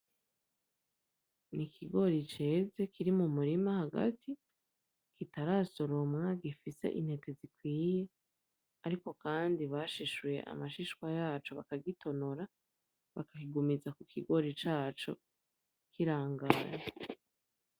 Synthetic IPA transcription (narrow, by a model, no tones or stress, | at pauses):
nikʰiɡo̞ɾit͡ʃe̞ːze̞kiɾimumuɾimahaɡa̰tʰi | kitaɾaso̞ɾomŋaɡifise̞̰ʔḭn̥he̞te̞zikwiːje | aɾiko̞kaːndiβaʃiʃwje̞̰ʔa̰maʃiʃkwajaːt͡ʃo̞βakaɡitʰo̞noɾa | βakakiɡumizakukʰiɡo̞ɾit͡ʃaːt͡ʃo̞̰ | kʰiɾaːŋɡaːɲe